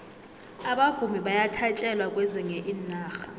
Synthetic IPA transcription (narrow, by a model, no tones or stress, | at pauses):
aɓavumiɓajatʰat͡ʃʼɛlwakʼwɛzɛŋɛʔiːnaːxa